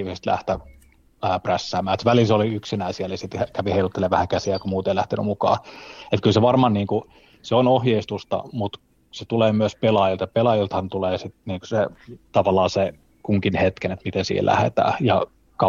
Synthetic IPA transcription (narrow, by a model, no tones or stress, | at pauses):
ʋisest̪læ̰ht̪æː | præsːæːmːæːet̪sʋælisoliyksinæisiælisit̪hækæʋiheilut̪ːeleʋæhækæsiækumuːt̪eilæht̪eny̰mukɑ̰ːet̪kylseʋɑrmɑnniːŋku | seonohjeist̪ust̪ɑ̰mut̪ | set̪uleːmyøspelɑjilt̪jɑpelɑjilt̪hɑnt̪uleːsit̪niːŋku̥set̪ɑʋɑlːˑɑːse | kuŋkinhet̪kenet̪mit̪ensḭːhḛlʔæ̰hḛt̪æ̰ːjɑ | kɑ